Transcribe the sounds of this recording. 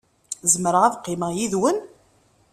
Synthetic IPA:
zəmɾəʁæðqːɪməjiðwən

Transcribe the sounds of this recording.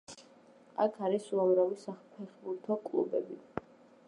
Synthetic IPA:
a̰kʰaɾisuamɾavisapʰɛχbuɾt̪ʰɔkʼlˠṵbɛbi

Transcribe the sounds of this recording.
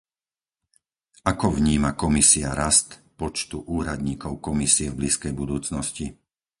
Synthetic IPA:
akɔvɲiːmakɔmisiaɾast̪pɔt͡ʃt̪uʔuːɾad̪ɲiːkɔʊkɔmisiɛvbliːskɛjbud̪uːt͡snɔsci

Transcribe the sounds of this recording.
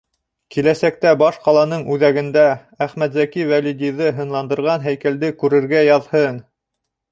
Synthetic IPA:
kilæsæk̚t̪æbɑʃqɑlˠɑnɤɴʉðæɡɘ̆nd̪æ | æχmæt̪zækivælʲid̪ʲijðɤɦɤ̆nlˠɑnd̪ɤ̆ɾʁɑnɦæjkæld̪ɘkʉɾɘ̆ɾɡæjɑðhɤn

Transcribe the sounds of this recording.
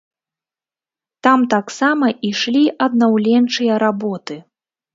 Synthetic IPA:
t̪amt̪aksamɐʔiʂlʲiʔɐd̪̚nawlʲɛnt͡ʂɨjɐɾabɔt̪ɨ

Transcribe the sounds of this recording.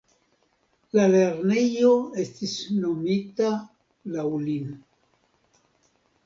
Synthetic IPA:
lale̞ɾne̞jo̞e̞stisno̞mita | lawlin

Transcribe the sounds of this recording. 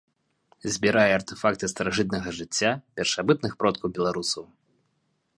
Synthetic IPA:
zʲbʲiɾajɛːrt̪ɛfakt̪ɨst̪ɐɾaʐɨt̪̬̚nɐɣɐʐɨt͡sʲːapʲɛrʂabɨt̪̚nɨxpɾɔt̪̚kɐwbʲɛlˠaɾusɐw

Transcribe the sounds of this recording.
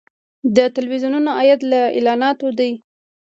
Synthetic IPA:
d̪ət̪alwizjununaɑjad̪laḛlɑnɑt̪od̪aj

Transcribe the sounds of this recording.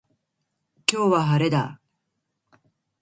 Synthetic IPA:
kʲo̞ːβaɦaɾe̞d̪a

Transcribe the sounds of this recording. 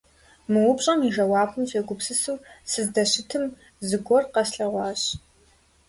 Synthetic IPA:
mɨwʊpɕʼɐmiʒɐwɑːpʰɨmɕʼeɡʷʊpsɨsuːsɨzdɐɕɪtʰɨm | zɨɡʷɔrqɐsɬɐʁʷɑːɕ

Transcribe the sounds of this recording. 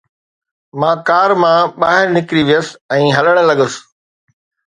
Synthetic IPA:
mãːkaːɾmãɓaːɦɪɾnɪkɾiʋijəs̆ɛ̃ːɦɐləɽ̃̆lɐɠəs

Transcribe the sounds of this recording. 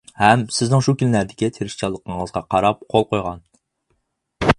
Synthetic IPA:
hɛmsɪznɪŋʃukʲynlæɾd̪ɪkʲit̪ʰeɾɪʃt͡ʃʰɑlˠːəqʰəɴəzʁɑqʰɑɾɑp̚qʰolˠqojʁɑn

